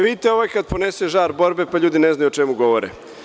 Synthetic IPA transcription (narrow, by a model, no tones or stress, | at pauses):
ʋit̪eoʋajkad̪̚poneseʒaːɾbo̞ɾbe̞paʎuːd̪ineznajuot͡ʂɛmuɡo̞ʋoɾḛ